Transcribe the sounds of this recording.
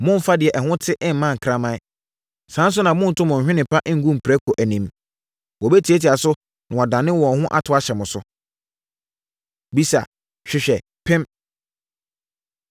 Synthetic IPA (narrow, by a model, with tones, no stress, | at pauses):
mʊ̃˦m̩˨fa˦dɪ˨ɛ˨ʔɛ˨hʊ̃˦tʰɪ˦ʔɪ˦m̩˨mã˦ŋ̩˨kʰɾa˦mã˦i˦ | sã˨˦n˦s̬ʊ˦nã˨mʊ̃˦n̩˨tʰʊ̃˦mʊ̃˨ɕᶣɪ̃˦nɪ̃˨pʰa˦ʔɪ˦ŋ̩˦ɡũ˦m̩˨pʰɾæ˦kʰo˨ʔæ˨nĩ˨m | wɔ˨be˦tʰi˨e˦tʰi˨a˨sʊ˦ | nã˨ɔ˨dã˨nɪ̃˦wɔ̃˨˦hʊ̃˦ʔa̰˦tʰʊ˨˦a˦ɕɛ˨mʊ̃˨sʊ̰˦ | bi˦sa˨ | ɕᶣɪ˦ɕᶣɛ˨ | pʰɪ̃˦m